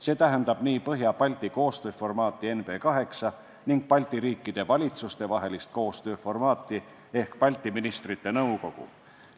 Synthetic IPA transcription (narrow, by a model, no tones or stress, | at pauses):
se̞ːt̪æɦend̪ɑb̥niːpɤɦjɑpɑlʲt̪ːˑiko̞ːst̪ø̞ːfo̞rmɑːt̪ːˑie̞nv̥e̞ːkɑɦe̞ksɑ | niŋɡ̥̚pɑlʲt̪ˑiɾiːkːˑid̪̥evɑlʲit̪sust̪e̞vɑɦe̞list̪̚ko̞ːst̪ø̞ːfo̞rmɑːt̪ːˑi | e̞hkpɑlʲt̪ːˑiminist̪rit̪ːe̞nɤwko̞ɡ̥ṵ